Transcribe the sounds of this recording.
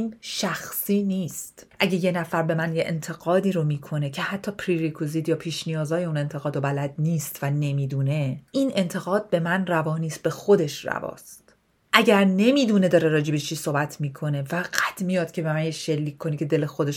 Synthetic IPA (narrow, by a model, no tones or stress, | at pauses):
inʃæxsiːniːst̪ʔæɟe̞je̞næfæɾbe̞mænjeʔḛnt̪ʰe̞ɣɒːd̪iːɾomiːkʰo̞ne̞cʰe̞hæt̪ʰːɒːpʰɾiɾikʰuziːd̪jɒːpʰiːʃnijɒːzɒːje̞une̞nt̪ʰe̞ɣɒːd̪obælæd̪̚niːst̪væne̞miːd̪uːne̞ʔiːnʔe̞nt̪ʰe̞ɣɒːd̪̥̚be̞mænrævɒːniːst̪̚be̞xo̞d̪e̞ʃræ̰vɒ̰ːst̪ | ʔæɟæɾne̞miːd̪une̞d̪ɒːɾe̞ɾɒːd͡ʒe̞bet͡ʃʰiːsoːbæt̪ʰmiːkʰo̞ne̞fæɡæt̪ʰmijɒːd̪̥̚cʲʰe̞be̞mænjeʃe̞lːiːkʰkːo̞nicʰe̞d̪e̞le̞xod̪eʃ